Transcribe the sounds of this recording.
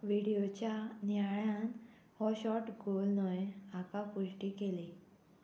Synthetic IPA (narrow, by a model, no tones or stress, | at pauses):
ʋiɽijot͡ɕjanjaɭãn | hɔɕɔʈɡolnɔjakapuɕʈikele